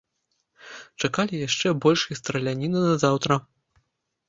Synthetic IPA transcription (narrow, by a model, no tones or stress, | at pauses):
t͡ʂakalʲijaʂt͡ʂɛbɔlʲʂist̪ɾɐlʲanʲinɨnɐzawt̪ɾɐ